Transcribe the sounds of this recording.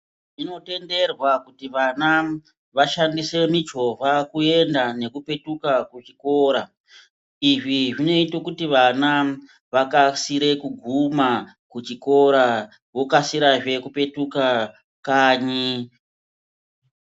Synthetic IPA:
ino̞te̞nde̞rwakutiʋana | ʋaʃandise̞mit͡ʃo̞vakue̞ndane̞kupe̞tukakut͡ʃiko̞ɾa | iʐiʐino̞itokutiʋana | ʋakasiɾe̞kuɡʱuma | kut͡ʃiko̞ɾa | wokasiɾaʐe̞kupe̞tuka | kaːɲi

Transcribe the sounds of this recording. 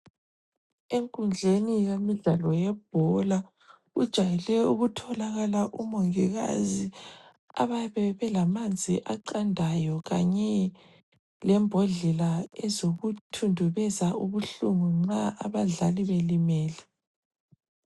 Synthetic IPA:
eŋkʼund͡ɮʱenijemiɮalɔjɛb̥̚ʱɔla | ud̥ʒ̥ʱajɛlɛuɣutʰɔlaɣalaʔumɔŋiɣa̰zi | a̰βaβɛβɛlamand͡zʱiʔaǃandʱajɔɣa̰ɲɛ | lɛmbʱɔɮɛlaɛzoɣutʰundʱuβɛzauβuɬuŋuŋ͡ǁaʔaβaɮaliβelimɛːlɛ

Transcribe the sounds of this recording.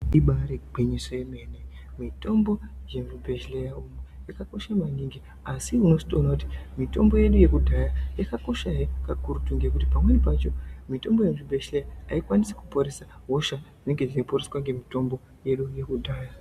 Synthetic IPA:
iɓaɾeɡ͡bʱeɲisojemeːne | mito̞mbo̞je̞mibʱe̞ʃlejaumjakako̞ʃamaɲiŋɡi | asiuno̞si̥toonakuti̥mito̞̰mbo̞je̞ɗuje̞kudʱajajakako̞ʃaekakuɾutuŋɡek̬utipamwe̞nip̬at͡ʃo̞mito̞mbo̞jemibʱe̞ʃlejaaikwanise̥kupoɾesaɦo̞ʃaʐine̞ŋɡe̞ʐiiporeswaŋɡe̞mito̞mbo̞ | je̞ɗuje̞kudʱaːja

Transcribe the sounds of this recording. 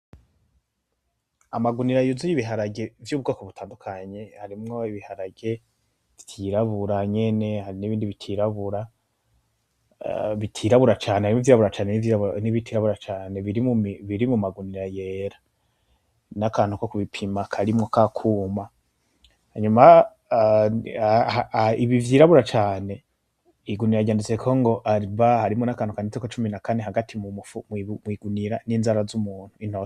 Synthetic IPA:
amaɡuniɾajozujiβiɦaɾaɡe̞vjuːβɡaːkoβutʰaːndukʰaɲe̞haɾimŋo̞iβihaɾaɡe̞ | v̥tʰiɾaβuɾaɲe̞ne̞haɾiniβiːndiβitʰiɾaβuɾa | βitʰiɾaβuɾat͡ʃaːneaimŋuvjiːɾaβuɾat͡ʃaːneniviniβitʰiɾaβuɾat͡ʃaːne̞βiɾimuβiɾimumaɡuniɾajeɾa | nakaːnhukokuβipʰimakʰaɾimŋo̞kʰakʰuːma | haɲuma | aiβivjiːɾaβuɾat͡ʃaːne̞ | iɡuniɾaɡɟaːndit͡sekʰoŋɡo̞ʔaβahaɾimonakaːnhukaːndit͡sekot͡ʃuminakaneɦaɡatʰimumufummwiɡuniɾaniːnzaɾazumuːn̥uin̥hos

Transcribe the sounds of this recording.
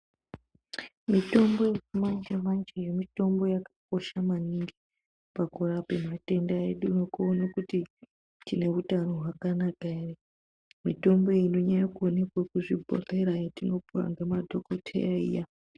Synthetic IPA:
mito̞mbo̞jemand͡ʒemant͡ʃejemito̞mbo̞jakḁk̚o̞ʃamaniŋɡi | pakurapemate̞ndaeɗunokuːnakuti | tine̞utano̞ɦwakanakaere | mito̞mbo̞ino̞ɲajakuone̞kwakuʐibʱo̰re̞ɾajetino̞puwa̰ŋɡemadʱo̞ko̞tʰḛjaḭja

